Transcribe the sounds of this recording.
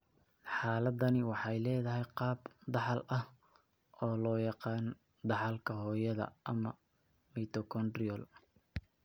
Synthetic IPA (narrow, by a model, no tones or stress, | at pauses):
ħɑːlɐd̪ɐnɪwɑħɑjlɛːðɐɦɛjqɑːbd̪ɑħɑlɐh | ʔɔːlɔːjɑqɑːn | d̪ɑħɑlkʰɐɦɔːjɐðɐ̰ʔɐmɐ | miːt̪ʰɔkʰɔnd̪rɪɔl